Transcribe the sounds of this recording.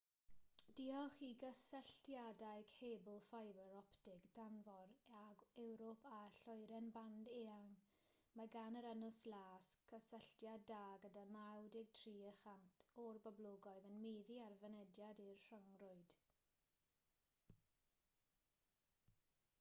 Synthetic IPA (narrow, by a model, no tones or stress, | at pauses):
d̥iɔχiɡəsəɬtjadaɨɡ̥heːbʊlˠfajbəɾɔptɪɡd̥anvɔɾaɡɛwɾɔpʰaɬɔjɾɛnbandeːaŋ | maɡanəɾənʊslˠaːskʰəsəɬtjadaːɡədanawdɪɡ̚tʰriːəχantʰɔrbɔblˠʊɡɔɨðənmejðiarvənɛdjadirr̥əŋrʊɨd̥